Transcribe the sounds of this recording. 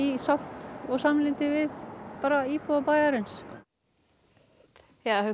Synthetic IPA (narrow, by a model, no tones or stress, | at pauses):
isawht̪ɔɣsamlɪnt̪ɪvɪðpaːɾaipuðapaːjðaɾɪns | ja